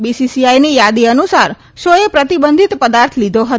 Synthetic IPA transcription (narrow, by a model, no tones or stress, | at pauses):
bisisiajnijad̪iənusaɾ | ʃoepɾət̪ibənd̪ʱit̪pəd̪aɾt̪ʰlid̪ʱoɦət̪